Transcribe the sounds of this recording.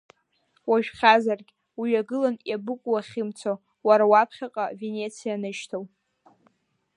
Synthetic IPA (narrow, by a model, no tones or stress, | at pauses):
waʒᶣχʲazarɡʲ | wiɥaɡɨlanjabɨkʷʼwaχʲɪmt͡sʰo | waɾawapʰχʲaqʼave̞nʲe̞t͡sʰijanɨʃtʰow